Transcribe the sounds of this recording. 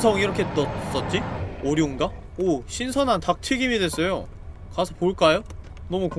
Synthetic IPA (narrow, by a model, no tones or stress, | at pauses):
sʰʌŋiɾʌkʰe̞t͈ʌs͈ʌt̚t͡ɕ͈ioɾjiunɡa | oɕʰinsʰʌnantak̚tʰɯɡimidwe̞s͈ʌjo | kasʰʌpoɭk͈ajo | nʌmuk